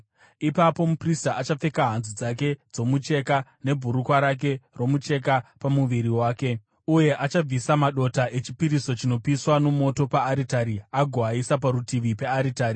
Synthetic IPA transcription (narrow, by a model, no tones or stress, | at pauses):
ipapo̞mupristaʔat͡ʃap͡fe̞kaɦanzud͡zak̬e̞d͡zo̞mut͡ʃe̞kane̞bʱuɾukwaɾak̬e̞ro̞mut͡ʃe̞k̬apamuʋiɾiwaːke̞ | uje̞ʔat͡ʃab͡visamaɗo̞taʔet͡ʃipiɾiso̞t͡ʃino̞piswano̞mo̞to̞paːɾitaɾiaɡʱwaisap̬aɾutiʋipe̞aɾitaːri